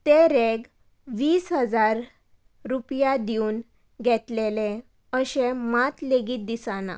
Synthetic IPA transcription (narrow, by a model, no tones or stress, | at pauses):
t̪eɾeɡ | ʋiːsɦəd͡zaɾ | ɾupjad̪iuːn | ɡʱɛt̪lelẽ | əɕẽmat̪leɡiːt̪̚d̪isanã̰